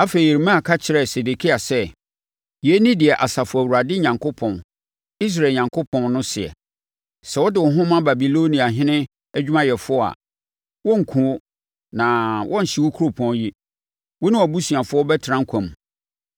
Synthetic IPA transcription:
a˦fe˨i˨ji˨ɾi˨mã˦a˨kʰa˦t͡ɕʰɪ˨ɾɛ˨se˨de˨kʰi˦a˨sɛ˦ | ji˨e˦nĩ˦dɪ˨ɛ˨ʔa˨sa˨fʊ˨æ˨wu˨ɾa˨dɪ˦ɲã˨ŋkʰo˦pʰɔ̃˨n | i˦s̬ɾa˨ɲã˨ŋkʰo˦pʰɔ̃˨nnʊ̃˦sɪ˨ɛ̰˨ | sɛ˨wɔ˦dɪ˨wɔ˨˦ɦʊ̃˦mã˦ba˨bi˨lo˦nĩ˨a˨ɦɪ̃˦nɪ̃˦ | æ˦d͡ʑᶣu˦mã˦jɛ˨fʊ˦ɔ˦a̰˨ | wɔ̃˦ŋ̩˨kʰũ˨˦ | nã˨wʔɔ̃˦n̩˨ɕi˦wʊ˦kʰo˦pʰɔ̃˨nji˦ | wɔ˦nʊ̃˦ɔ˨bu˦su˨a˨fʊ˦ɔ˦bɛ˦tʰɾã˦ŋ̩˦kʷʰã˨m˨

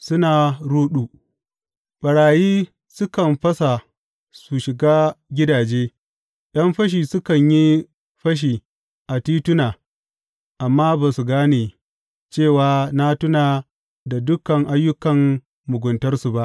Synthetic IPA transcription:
sʊ˦naː˨ɽuː˦ɗuː˨ | ɓɐ˨ɽaː˨jiː˦ | sʊ˦kɐ˨mɸɐ˦sa˨ | su˨ʃɪ˨ɡaː˦ɡʲɪ˦daː˨d͡ʒeː˦ | ɗɐ˦mɸɐ˦ʃ̬iː˨sʊ˦kɐ˨ɲji˦ | ɸɐ˦ʃ̬iː˨ | ʔa˨tiː˦tʊ˦naː˨ | ʔa˨mːaː˦ba˨su˨ɡaː˦neː˨ | t͡ʃeː˦˨waː˦na˦tʊ˦naː˨ | da˨dʊ˦kɐ˨ŋʔa˦jːʊ˦kɐ˨mː | ʊ˨ɡʷʊ˨ntɐ˦rsu˨ba˦ʔ

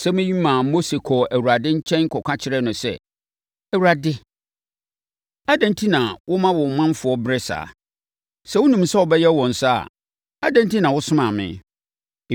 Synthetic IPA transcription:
sɛ˦mɪ̃˦ji˦mã˨˦mo˦se˨kʰɔ˨æ˨wu˨ɾa˨dɪ˦ɲ̩˦t͡ɕʰɛ̃˦n˦kʰɔ˨kʷʰã˦t͡ɕʰɪ˦ɾɛ˦nʊ̃˨sɛ̰˦ | æ˨wu˨ɾa˨dɪ˦ | a˦dã˨ntʰi˦nã˨wʔʊ˦mã˦wɔ̃˨mã˦m˦fʊ˨ɔ˦bɾɛ˦sa̰ː˨ | sɛ˦wʊ˦nũ˨m˦sa˦wɔ˨bɛ˦jɛ˦wɔ̃˨n̩˨sa˦a̰˨ | a̰˦dã˦ntʰi˦nã˨wʊ˦sʊ̃˦mã˨mɪ̰̃˨

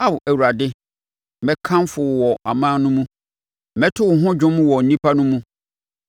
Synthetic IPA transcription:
a˦wʊ˨ʔæ˨wu˨a˨dɪ˦ | mɛ̃˦kʰã˦mfʊ˨wɔ˨ʔa̰˨mãː˦nʊ̃˦mũ˦ | mɛ˦tʰʊ˦wʊ˨ɦʊ̃˦d͡ʑᶣʊ̃˦mũ˦wɔ˨n̩˨nĩ˦pʰa˦nʊ̃˦mũ˦

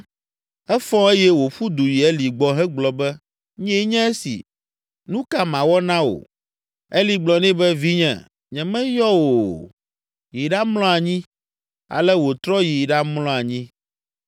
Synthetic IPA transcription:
ɛ˦fɔ̃˦e˦jɛ˦wo˨ɸu˦d̪u˨ji˨ɛ˦li˨ɡ͡bɔ˦ɦɛ˦ɡ͡blɔ˨bɛ˦ | ɲ˦ɛ˦ɲɛ̃˦ɛ˦sḭ˨ | nũ˦ka˦mã˨wɔ˦nã˦o̰˨ | e˦li˨ɡ͡blɔ˨nĩ˦bɛ˦vi˦ɲɛ̰̃˨ | ɲɛ̃˨mɛ̃˦jɔ˦wo˨ | ji˨ɖa˦mlɔ̃˦a˨ɲĩ˦ | a̰˨lɛ˦wo˨t̪ɾɔ˦ji˨ɖa˦mlɔ̃˦a˨ɲĩ˦

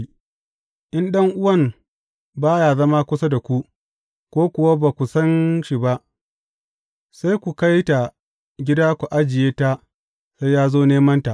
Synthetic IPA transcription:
ʔɪ˦nɗɐ˦ŋʔʊ˦wɐ˦˨m | baː˦jaː˨zɐ˦maː˦kʷʊ˦sa˦da˨kʷu˦ʔ | kʷoː˦kʷʊ˨wa˦ba˨kʷu˨sɐ˦nʃi˨ba˦ʔ | sa˦jkʷu˨ka˦jta˨ | ɡʲɪ˦daː˦kʷu˨ʔa˦d͡ʒɪ˨jeː˦ta˦ | sa˦jjaː˦zoː˦neː˦mɐ˦nta˨ʔ

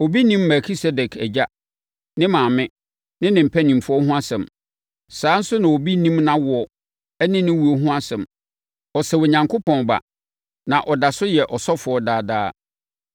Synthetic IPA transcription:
o˨bi˦nĩ˦mːɛ˨kʰi˦sɛ˦dɛ˨kʰæ̰˨d͡ʑa˦ | nɪ̃˦mãː˨mɪ̃˦ | nɪ̃˦nɪ̃˨m̩˨pʰæ˦nĩ˨m˨fʊ˦ɔ˦ɦʊ̃˦a˦sɛ̃˨m | saː˨˦n̩˦sʊ˦nã˨o˨bi˦nĩ˦mnã˦wʊ˨ɔ˨ | ɛ˦nɪ̃˦nɪ̃˦wu˨o˨ɦʊ̃˦a˦sɛ̃˨m | ɔ˨sɛ˨wo˨ɲã˨ŋkʰo˦pʰɔ̃˨n˨ba̰˨ | nã˨ʔɔ˨da˨sʊ˦jɛ˨ʔɔ˨sɔ˦fʊ˨ɔ˦daː˦daː˦

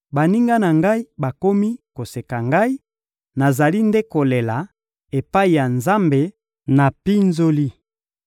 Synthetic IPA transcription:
ba˨ni˦ŋɡa˦na˨ŋɡa˦i˦ba˨ko˦mi˦ko˨se˨ka˨ŋɡa˦i˦ | na˨za˨li˦nde˦ko˨le˨la˨ | e˨pa˦i˨ja˨nza˦mbe˨ | na˨pi˦nzo˦li˦

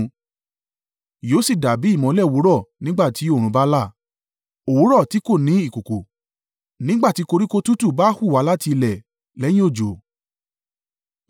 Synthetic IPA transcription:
jo˨˦si˦˨da˨bi˨˦i˦˨mɔ̃˨˧˦lɛ˦˨wo˨˦ɾɔ˦˨nĩ˦ɡ͡ba˦˨ti˨˦o˦˨ɾ̃ũ˨˦ba˦la˦˨ | o˨wo˨˦ɾɔ˦˨ti˨˦ko˦˨nĩ˨˦i˦˨ko˨ko˨ | nĩ˦ɡ͡ba˦˨ti˨˦ko˧ɾi˦ko˦tu˦tu˦˨baː˦hu˦˨a˨˧˦la˦ti˧lɛ˨ | lɛ˨˦j̃ĩ˦o˦˨d͡ʒo˨

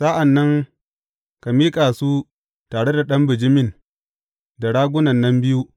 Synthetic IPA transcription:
sa˦ʔa˨nːɐ˦ŋ | ka˨miː˦kʼaː˨suː˦ | taː˨ɽe˦da˨ɗɐ˦mbɪ˨d͡ʒɪ˦mɪ˦˨n | da˨ɽaː˦ɡʷʊ˦nɐ˨nːɐ˦mbɪ˦ju˦

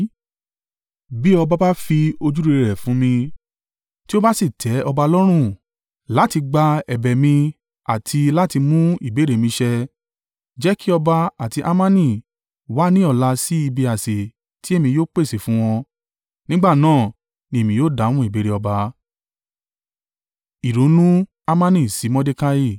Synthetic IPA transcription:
bi˦ɔ˧ba˦ba˦fi˧o˧d͡ʒu˦ɾe˧ɾɛ˨fũ˨˦mĩ˧ | ti˦o˦ba˦si˦˨tʰɛ˨˦ɔ˧ba˧ɔ˧lɔ˦ɾ̃ũ˦˨ | la˨˦ti˧ɡ͡ba˧ɛ˨bɛ˨mĩ˧ | a˨tʰi˧la˦ti˧mũ˦i˦˨be˨˦ɾe˦˨mĩ˧ʃɛ˧ | d͡ʒɛ˨˦ki˦ɔ˧ba˧a˨ti˧ʔa˦mã˦nĩ˦˨ | wa˨˦nĩ˦ɔ˦˧˨la˧si˦i˧bi˧a˨se˨ | ti˦e˦˨mĩ˧joː˦k͡pe˦˨se˨fũ˨˦w̃ɔ̃˧ | nĩ˦ɡ͡ba˦˨nãː˦˨ | nĩ˧e˦˨mĩ˧joː˦˨da˨˦w̃ũ˦i˦˨be˨˦ɾe˧ɔ˧ba˧ | i˨ɾo˨˦nũ˦ | a˦˧mã˦nĩ˦˨si˨˦mɔ̃˦de˦ka˧ji˦˧˨

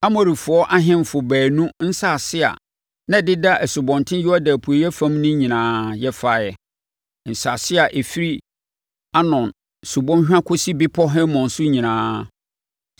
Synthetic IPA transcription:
a˦mɔ˨ɾi˨fʊ˨ɔ˦ʔa˦ɦɪ̃˦m˨fʊ˨bæː˨nũ˦n̩˦sa˨sɪ˦a̰˨ | nã˦dɪ˦da˦ʔɛ˨sʊ˨bɔ̃˨ntʰɪ̃˦jʊ˦ɔ˦dæ˨pʰu˨o˨jɛ˦fã˦mnʊ̃˦ɲĩ˨nãː˦jɛ˦fa˦˨jɛ˨ | n̩˨sa˨sɪ˦a˨ʔe˨fi˦ɾi˦ | a˦nɔ̃˨n˨ | su˨bɔ̃˦n˦ɕᶣã˦kʰʊ˦si˦bɪ˦pʰɔ˦ɦɛ̃˦mɔ̃˨n̩˨sʊ˦ɲĩ˨nãː˦

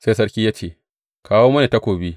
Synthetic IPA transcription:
se˦s̬ɐ˦ɽkʲiː˦jaː˦t͡ʃeː˦˨ | kaː˦woː˦mɐ˦neː˨ta˦kʷoː˨bi˦

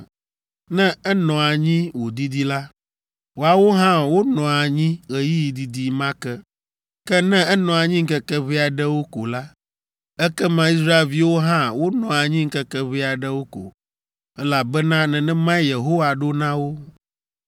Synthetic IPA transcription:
nɛ̃˦ɛ˦nɔ̃˨a˨ɲĩ˦wo˨d̪i˦d̪i˦la˦ | wo˨a˨wo˦ɦã˦wo˦nɔ̃˨a˨ɲĩ˦ɣɛ˨ji˦ji˨d̪i˦d̪i˦mã˦kɛ˦ | kɛ˦nɛ̃˦ɛ˦nɔ̃˨a˨ɲĩ˦ŋ̩˦kɛ˦kɛ˦βi˦a˨ɖɛ˦wo˦ko̰˨la˦ | ɛ˦kɛ˦mã˨i˦sɾa˦e˨lvi˨˦wo˦ɦã˦wo˦nɔ̃˨a˨ɲĩ˦ŋ̩˦kɛ˦kɛ˦βi˦a˨ɖɛ˦wo˦ko̰˨ | ɛ˦la˨bɛ˦nã˦nɛ̃˨nɛ̃˦mã˦je˨ɦo˦wa˨ɖo˦nã˦wo˦

